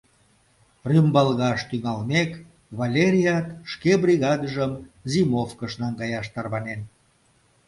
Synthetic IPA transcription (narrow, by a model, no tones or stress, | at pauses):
rymbɑlɣɑʃt̪yŋɑlmek | βɑlʲeɾʲijɑt̪ʃkebɾʲiɣɑd̪əʒəmzimofkəʃnɑŋɡɑjɑʃt̪ɑrβɑnen